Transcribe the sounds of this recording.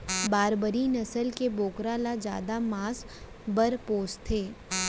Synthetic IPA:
baːɾbəɾinɐsəlkeboːkɾalad͡ʒja̰ːd̪amaːs | bəɾpoːst̪ʰeː

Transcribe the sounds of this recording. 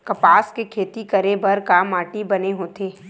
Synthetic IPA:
kɐpaːskekʰeːt̪ikɐɾebɐɾkaːmaːʈibɐneɦoːt̪eː

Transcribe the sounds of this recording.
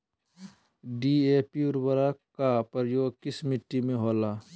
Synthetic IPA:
ɖiepiʊɾbəɾakapəɾjoːɡ̚kɪsmɪʈːimẽɦoːlaː

